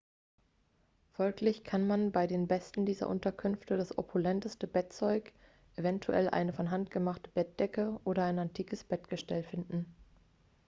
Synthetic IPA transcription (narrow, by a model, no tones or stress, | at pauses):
fɔlklɪçkʰanmanbaɪdeːnbɛstn̩diːzɐ̰ʔʊ̰ntɐkʰʏnftəd̥asʔo̰pʰulɛntəstəbɛt̚t͡sɔʏk | ʔevɛntʰuʔɛ̰lʔa̰ɪnəfɔnɦantɡ̥əmaχtəbɛt̚d̥ɛkəʔoːɾɐaɪnantʰiːkəsb̥ɛtɡ̥əʃtɛlfɪndn̩